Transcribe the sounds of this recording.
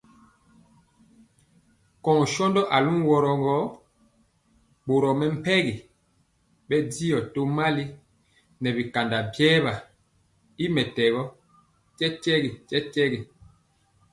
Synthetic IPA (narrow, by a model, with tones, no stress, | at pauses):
kɔ˨ŋ˨ʃɔ˦ndɔ˦ʔa˨lu˦n˦wɔ˨ɾɔ˨ŋɡɔ˦ | bo˨ɾɔ˨mɛ˨m̩˨pɛ˦ɣi˨ | bɛ˦di˦jɔ˨to˦ma˦li˦ | nɛ˨bi˨ka˨nda˨bjɛː˦βa˨ | i˦mɛ˨tɛ˨ɣɔ˦ | t͡ʃɛ˦t͡ʃɛ˦ɣi˨t͡ʃɛ˦t͡ʃɛ˦ɣi˨